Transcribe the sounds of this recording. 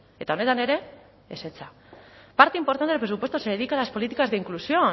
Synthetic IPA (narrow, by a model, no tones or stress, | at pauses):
e̞t̪ao̞ne̞t̪ane̞ɾe̞ | eset͡sa | paɾt̪e̞impo̞ɾt̪ant̪epɾeupwe̞t̪useɾeðikalaspo̞lit̪ikazðeiŋklusio̞